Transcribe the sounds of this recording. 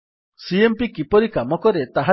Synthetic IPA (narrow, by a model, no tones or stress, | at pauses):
siempikipɔɾikamɔkɔɾet̪aɦa